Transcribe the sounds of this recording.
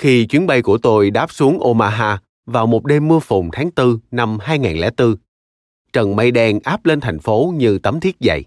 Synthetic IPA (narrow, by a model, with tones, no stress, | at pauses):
xi˧t͡ɕwi˨˦ənɓa˧jku˧˩ət̪o˧jɗaː˦˥p̚su˨˦əŋʔo˧maː˧ɦaː˧ | vaː˨˩wmo˨˩t̚ɗe˧mːɨ˧əfʊ˨˩ŋ͡mt̪ʰaː˨˦ŋt̪ɨ˧na˧mɦaː˧jŋaː˨˩nlɛ̰˧˩˥t̪ɨ˧ | t͡ɕə˨˩nma˧jɗɛ˧ŋʔaː˦˥p̚le˧nt̪ʰa˨˩jŋ̟fo˨˦ɲɨ˧t̪ə˨˦mt̪ʰi˦˥ət̚zə̰˧˨j